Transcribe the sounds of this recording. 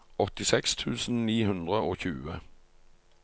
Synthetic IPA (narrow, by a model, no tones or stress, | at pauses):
ɔt̪ɪsɛkst̪ʰʉːsn̩niːhʉnd̪ʁəoːçʉːə